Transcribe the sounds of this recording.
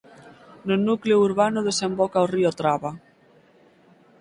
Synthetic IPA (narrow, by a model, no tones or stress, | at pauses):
nonukleuɾβanoðesembɔkaoriot̪ɾaβa